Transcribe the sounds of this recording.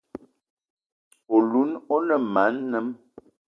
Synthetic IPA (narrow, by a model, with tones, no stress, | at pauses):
o˨lu˨˦nɔ˦nə˨ma˨˦nːə˦m